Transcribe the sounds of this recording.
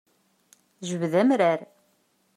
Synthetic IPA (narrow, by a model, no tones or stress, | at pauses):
ʒəvðæmɾæɾ